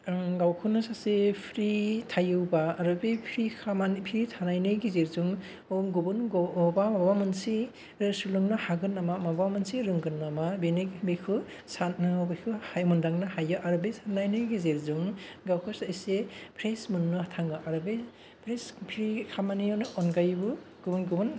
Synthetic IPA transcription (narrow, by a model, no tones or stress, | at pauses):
ɡawkʰɯnɯsasepʰɾitʰajɯwbaːɾɯbepʰɾikʰamanpʰiɾitʰanajnɯjɡizeɾzuŋ | oŋɡobunɡoobamabbamɯnsi | ɯsulɯŋnɯhaɡɯnːamamabwamɯnsiɾɯŋɡɯnːamabenekbekʰɯ | sanɯbekʰɯhajmundaŋnɯhajɯʔaɾɯbesʰanajnɯjɡizeɾzuŋɡawkʰɯsajsepʰɾesmɯnːɯhatʰaŋɡɯʔaɾɯbe | pʰɾespʰɾikʰamanijanɯʔɔnɡajbɯ | ɡ̥ubunɡubun